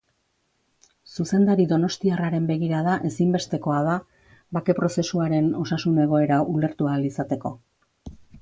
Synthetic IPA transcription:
suse̞nd̪aɾiðo̞no̞st̪iaraɾe̞mbe̞ɣ̞iɾaðaʔe̞simbe̞st̪e̞ko̞aða | βake̞pɾo̞se̞suaɾe̞no̞sasune̞ɣ̞o̞e̞ɾaule̞ɾt̪ualisat̪e̞ko̞

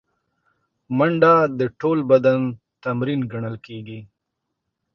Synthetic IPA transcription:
maɳɖad̪əʈolbad̪an | t̪amɾinɡaɳəlkeɡi

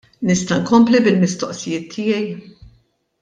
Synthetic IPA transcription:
nɪst̪ɐŋkɔmplibɪlmɪst̪ɔʔsɪjɪːt̪ʰːɪːjɛj

